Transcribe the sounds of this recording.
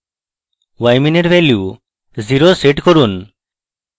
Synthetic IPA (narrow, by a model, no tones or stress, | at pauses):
wajmineɾvɛlju | ziɾoseʈkoɾun